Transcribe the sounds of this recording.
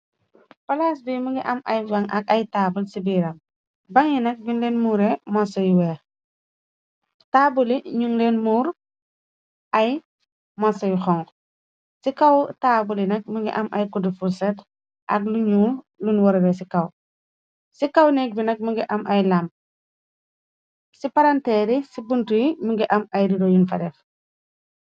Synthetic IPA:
pɐlaːsbiːmuɡiʔɐmɐ̰jvɐŋɐkɐjtaːbulsibiɾɐm | bɐŋjinɐk̚biŋlɛnmuːɾɛmasɐjwɛ | taːbuliɲuŋlɛnmuːɾ | ʔɐj | masɐjxɔŋ | sikawtabulinɐk̚muŋɡḭʔɐmʔɐjkudifusɛt | ʔɐ̰k̚luɲuɾ | lunwɔɾɾɛsikaw | sikawnɛk̚binɐk̚muŋɡiʔɐmʔɐjlamp̚ | sipaɾantɛːɾisibuntujimuŋɡiʔɐmɐjɾidɔjunfɐ̰dɛf

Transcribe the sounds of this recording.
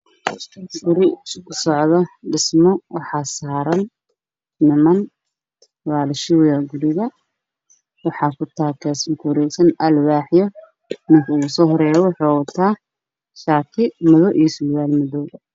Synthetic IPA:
fʊɾɪkʰʊsɔʕðɔɖɪsmɔwɑħɑːsaːɾɐn | nɪmɐn | waːlɪʃɪwjɐɡʊɾɪɣɐ | wɑħɑːkʰʊt̪ʰaːkʰɛːsmɐkʰwɾɛjsɐnɐlwaːħjɔ | mɪŋkʰɐʊɣʊsɔːɦɔɾɛːjɐwɑħɑːwɐt̪ʰaː | ʃaːkʰɪmɔðɔʔijɔsuːɣaːlmɔðɔːð

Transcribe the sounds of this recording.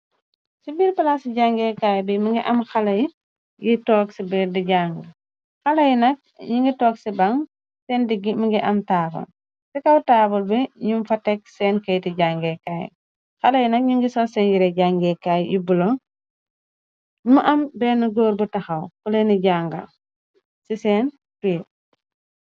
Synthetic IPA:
sibilpɐlasiɟaŋɡɛkajbimiŋɡiʔɐmxɐlɐji | jitɔːksibidiɟaːŋɡɐ | xɐlɐjinɐk̚ɲiŋɡitɔːksibaŋ | sɛndiɡimiŋɡiʔɐmtaːbɐ̰l | sikɐwtaːbɐlbɛɲumfɐtɛk̚sɛːnkɐjtiɟaŋɡɛkaːj̰ | xɐlɐjinɐk̚ɲiŋɡisɔsɛnjiɾɛɟaŋɡɛkaːjjibulɔŋ | muʔɐmbɛːnuɡoːɾbutɐxɐwkulɐniɟaːŋɡɐ̰ | sisɛːn | ti

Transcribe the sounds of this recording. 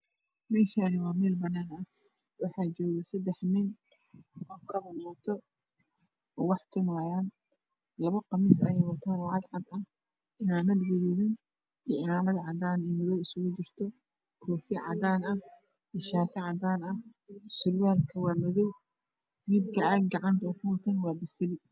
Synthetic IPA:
mɛːʃaːnɪwɑːmɛːlbɐnːaːnɐ | wɑħɑːt͡ʃɔːɣɐsɐd̪ɛħmɪn | ɔːkʰɐβɐnɔːt̪ʰɔ | ɔːwɑħt̪ʰɪmaːjaːn | lɐβɐqɑmɪsɐ̰jɛjwɐt̪ʰaːnwɑʕɑd̪ʕɑd̪ɐh | ʔɪnaːnɐd̪ɡɪɾuðɪn | iʕɪmaːmɐðʕɑd̪aːnimɔðɔwɪsʊɣʊd͡ʒɪrt̪ʰɔ | kʰɔːfɪʕɑ̰d̪aːnɐ | ɪʃaːt̪ʰɐʕɑd̪aːnɐsʊlwaːlkʰɐwɑːmɔðɔw | ɡiːd̪kʰɐɐɡɡɑʕɑnt̪ʰɔːkʰʊwt̪ʰɐnwɑːbɪsɐlɪ

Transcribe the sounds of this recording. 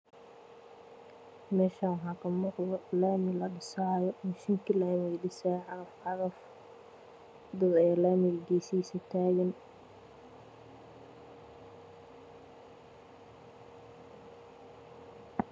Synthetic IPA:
mɛːʃawħɑːkʰɐmɔqðɔlaːmɪlɐɗɪsaʕjɔmɪʃɪŋkʰɪlaːmɪɖɪsaʕɑɾɐfʕɑðɐf | d̪ɐðɛjaːlaːmɪɡiːsiːsɐt̪ʰaːɣɐn

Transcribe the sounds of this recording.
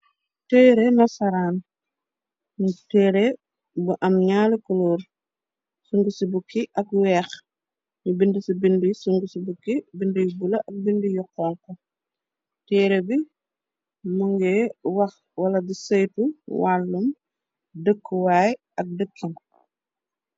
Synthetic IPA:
tɛːɾemɐsɐɾaːn | mutɛːɾe | buʔɐmɲaːlikuloːɾ | suŋɡusibukiʔɐkwɛːx | ɲubindisibindusuŋɡusibukibindujubulɐʔɐk̚bindujɔqːɔːŋkɔ | tɛːɾebi | muŋɡɛwɐx | wɐlɐdisɐjtuwalːum | dəkːwaːj | ɐk̚dəkʰːim

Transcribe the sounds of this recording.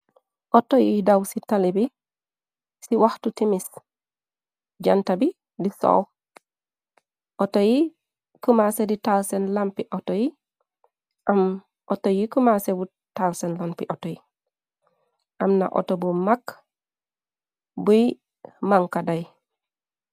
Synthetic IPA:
ʔɔtojidawsitalibi | siwaxtutimis | ɟantɐbi | diso̰w | ʔɔtoji | kumaseditalsɛnlampiʔɔtoji | ʔam | ʔɔtojikumasebu | talsɛnlanpiʔɔtoji | ʔɐmna̰ʔɔ̰tobumak | buj | maŋkadaj

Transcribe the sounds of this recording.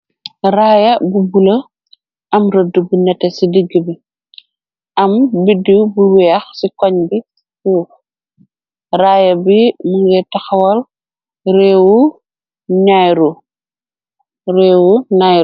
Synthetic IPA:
raːjɐbubulɐ | ɐmrədːubunɛtːɛsidiɡːəbi | ɐmbidiwbuwɛːxsikɔɲbi | tuːx | raːjɐbimuŋɡɛtɐxɐwɐl | ɾɛːwu | ɲajɾu | ɾɛːwuɲaj

